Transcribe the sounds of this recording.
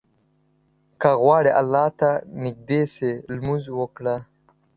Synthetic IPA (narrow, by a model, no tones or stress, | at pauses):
kaɣwɑːɽeʔalːɑːt̪anɪk̚d̪eselmuzwəkɽa